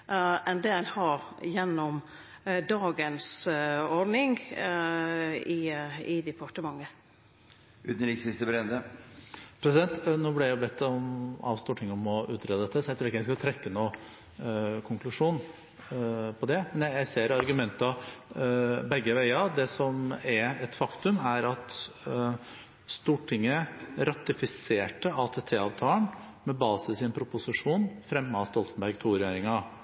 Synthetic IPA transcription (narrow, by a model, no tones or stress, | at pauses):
ʔɛnd̪eːlhɑɾjɛnːɔm | d̪ɑːɡənsɔɾɖnɪŋ | ɪɪd̪ɛpʰɑʈəmɑŋːə | ʉ̰t̪n̩ɾɪksɪst̪əbɾɛnd̪ə | pʰɾɛsɪd̪ɛnt̪nɔblɪjæɪbɛt̪ːɔmɑ̰ːʋst̪uːʈʰɪŋɔmɔʉːt̪ʰɾeːd̪əd̪ɛt̪ːəsɔjæɛt̪ʰuːɾɪkːjæɪskɑt̪ʰɾɛkːənuː | kʰʊŋklʉʂuːn | pʰɔd̪ɛmɛnjæjæɪseːɾɑɾɡʉmɛnt̪ɑ | bɛɡːəʋæɪɑd̪ɛsɔmæɛt̪fɑkt̪ʉmæɾɑt̪ | st̪uːʈʰɪŋːəɾɑt̪ɪfɪseːʈəɑlt̪ʰɛt̪ʰeːɑːʋt̪ʰɑːɳ | mɛbɑːsəsɪnpʰɾʊpʊsɪʂuːnfɾɛmːəɑst̪ɔlt̪ən̩bæɾɡt̪ʰuːɾɛjeːɾɪŋɑ